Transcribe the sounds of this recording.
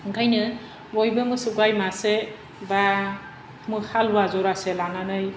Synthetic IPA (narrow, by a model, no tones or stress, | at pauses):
ɡajnɯ | bɔjbɯmɯsuɡajmase | ba | mɯhaluwazɔɾaselananɯj